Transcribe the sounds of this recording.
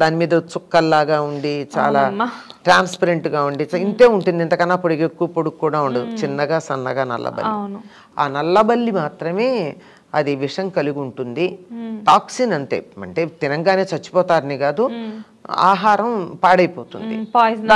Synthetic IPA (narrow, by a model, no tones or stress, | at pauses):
d̪aːnimiːd̪ɐt͡ʃukːɐlːaːɡaːuɳɖit͡ʃa̰ːlaːʈɾaːnspɐɾeɳʈɡaːuɳɖit͡ʃint̪e̞ːuɳʈund̪int̪ɐkɐnːaːpːoɽikekːuʋɐpoɽukkːuːɽaːuɳɖɐd̪ut͡ʃinːɐɡaːsɐnːɐ̰ɡaːnɐ̰lːɐ̰bɐ̰ːin | a̰ːnɐlːɐbɐlːimaːt̪ɾɐme̞ː | ɐd̪iʋiʂɐjɐŋkɐliɡuɳʈund̪iʈaːksinɐɳʈḛːɐ̰ɳʈe̞ːt̪inɐŋɡaːne̞ːt͡ʃɐt͡ʃːu̥pɔːt̪aːɾɐniɡaːd̪u | a̰ːɦaːɾɐmpaːɽɐjpoːt̪ṵnd̪ḭ